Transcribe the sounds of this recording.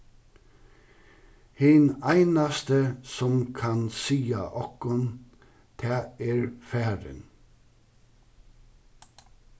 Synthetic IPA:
hɪnæɪnɑst̪əsɔmkʰɑnsiːɑ̰ʔɔkɔn | t̪ʰɑːeːɹfæːɹə̰n

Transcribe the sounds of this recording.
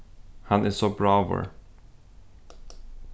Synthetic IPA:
hãnɪssobɹavə̰ɹ

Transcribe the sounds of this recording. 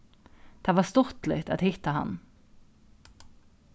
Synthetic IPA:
d̪̥ɛʋɑːst̪ɔɾt̪lɪ̰t̪a̰t̪hɪt̪ːahɑ̰n

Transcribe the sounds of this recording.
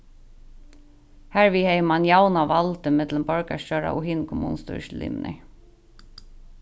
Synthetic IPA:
hæɹʋihɛjmanjawnaʋalt̪ɪmɪt̪ləmpɔɹkast͡ʃœːɹa̰ʔʊ̰ɦiːnkʰɔmṵnst̪ṵʃlḭːmnɪ̰

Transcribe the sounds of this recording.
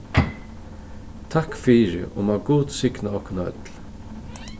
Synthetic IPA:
t̪ʰakfiːɾɪ̰ʔʊ̰maːʋɡuːt̪sɪknaɔhknœ̰t̪l

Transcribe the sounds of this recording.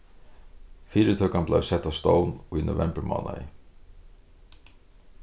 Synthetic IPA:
fiːɾɪt̪ʰœːkampla̰jvsɛht̪ːast̪oːwnuno̰vɛmpəɾma̰ːwna̰ɪ̰

